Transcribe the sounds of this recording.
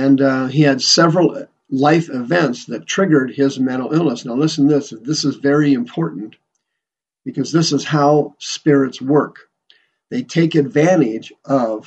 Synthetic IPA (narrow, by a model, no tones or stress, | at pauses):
ɨ̃niɨdsɛvɹl̩ˠ | laɪfɨvɛ̃ntsðɨtʰɹ̥ɪɡə˞d̚ɪzmæ̃ɾ̃l̩ˠɪlˠnəsnaʊlɪsn̩ðɪsðɪsəzvɛɹiɨ̃mpʰɔɹʔn̩ | b̥ɨkʰʌzðɪsəz̥haʊspɪɹɨtswɜ˞k | ðeɪtʰeɪkɨdvæ̃ɾ̃ɪd͡ʒʌv̥